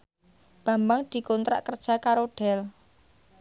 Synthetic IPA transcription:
b̥a̤mbaŋd̪̥i̤kont̪ɾa̰ʔkərd̥ʒ̥a̤kaɾoɖ̥ɛl

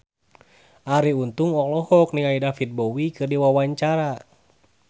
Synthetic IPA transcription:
ʔaɾiunt̪uŋɔklɔhɔk̚niŋaidafit̪̚bɔwikɨrdiwawaɲt͡ʃaɾa

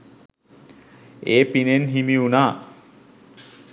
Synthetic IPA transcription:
eːpinenɦimiunaː

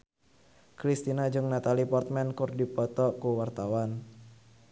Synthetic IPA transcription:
kɾist̪inad͡ʒɨŋnat̪alipɔrt̪̚mɛnkurdipɔt̪ɔkuwart̪awan

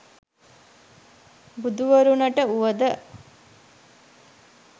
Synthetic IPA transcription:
bud̪uʋɐɾunɐʈəuʋəd̪ə

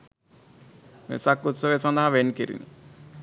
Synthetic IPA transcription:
mḛsakːut̪səʋeːsɐnd̪ɐɦɐʋenkiɾḭni

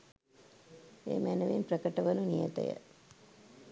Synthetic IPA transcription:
ḛːmænəʋimprəkəʈəʋənunijə̰t̪ə̰jə̰

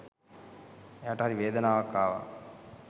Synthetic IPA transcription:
eaʈəɦaɾiʋeːd̪ɐnaːʋakːaːʋa̰

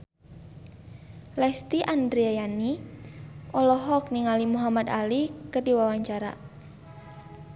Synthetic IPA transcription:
lɛst̪iʔand̪ɾiajani | ʔɔlɔɦɔk̚niŋalimuɦamad̪alikərdiwawaɲt͡ʃaɾa̰

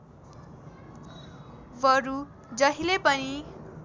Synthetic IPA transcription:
bʌɾu | d͡zʌɦilepʌni

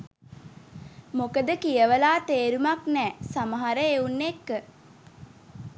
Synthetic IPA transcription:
mokəd̪əkijəʋəlaːt̪eːɾumaknɛːsaməɦaɾəeunːekːə

